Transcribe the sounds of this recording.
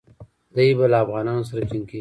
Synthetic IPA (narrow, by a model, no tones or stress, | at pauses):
d̪ajbalaːfɣɑːnɑːnos̬aɾat͡ʃiŋke